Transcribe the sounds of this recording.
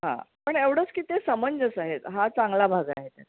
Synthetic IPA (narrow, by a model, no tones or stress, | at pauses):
ɦã̰pəɳeʋɽ̤ət͡skiːt̪esəməɲd͡zəsaɦet̪ɦat͡saŋɡlabʱaɡa̰ɦet̪a̰